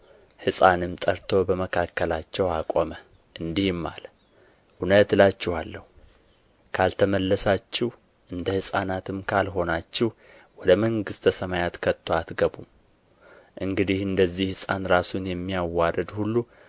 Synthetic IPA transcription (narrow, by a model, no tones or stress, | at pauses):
hɨsʼanɨmt̪ʼəɾt̪ʰo̞bəməkʰakːəlat͡ʃːɛwakʼomə | ʔɨnd̪ihɪmːa̰lə | ʔunət̪lat͡ʃːɪhalːəhu | kʰalt̪ʰəməlːəsat͡ʃːɪh | ʔɨnd̪əhɨsʼanat̪ʰɨmkʰalɦo̞nat͡ʃːɪh | wɔd̪əməŋɡɨst̪əsəmajat̪kʰət̪ʰːoat̪ɡəbum | ʔɨŋɡɨd̪ihɨnd̪əzːihhɨsʼanɾasunjɛmːijawːaɾəd̪hulːu